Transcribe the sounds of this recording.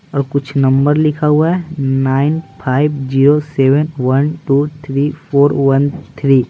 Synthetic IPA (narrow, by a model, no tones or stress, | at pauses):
ɔːɾkʊt͡ʃʰnɐ̃mbəɾlɪkʰaɦuaɦɛnaːɪnpʰaːɪbd͡ʒiːɾosɛːʋənwɐnʈuːt̪ʰɾiːpʰoːɾwɐnt̪ʰɾiː